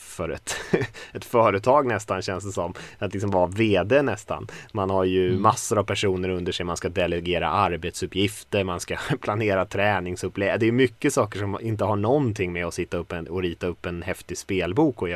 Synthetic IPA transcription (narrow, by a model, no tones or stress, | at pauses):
fœɾɛ̰t̪ɛt̪fœːɾət̪ʰɑːɡnɛst̪anɕɛnsd̪əsɔmːat̪lɪks̬ɔmvaveːd̪eːnɛst̪a̰nmanhaɾjɵmasːʊɾavpʰæʂuːnəɾɵnd̪əʂɛjmanskad̪ɛlɛɡeːɾa̰ʔaɾbɛt̪sɵpːjɪft̪əɾmanskapʰlaneːɾat̪ʰɾɛːnɪŋsɵpːlɛd̪ɛjɵmʏkːəsɑːkəʂɔmɪnt̪̬əɦaɳɔnt̪ʰɪŋːmɛɔsɪt̪ːaɵpːɛnɔɾiːt̪aɵpːɛnhɛft̪ɪspeːlbuːkɔj